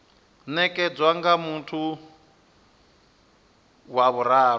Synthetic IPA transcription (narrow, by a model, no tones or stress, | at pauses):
nɛkʼɛd͡zwaŋɡamuntʰu | waβuɾaːɾ